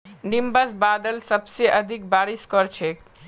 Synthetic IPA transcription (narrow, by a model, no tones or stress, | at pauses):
nimbəsbad̪əlsəbseʔəd̪ʱik̚baɾiskɔɾt͡ʃʰek